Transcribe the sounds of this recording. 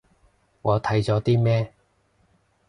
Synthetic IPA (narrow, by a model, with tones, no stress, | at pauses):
ŋɔː˨˧t̪ʰɐ˨˧˥jt͡sɔː˨˧˥t̪iː˥mɛː˥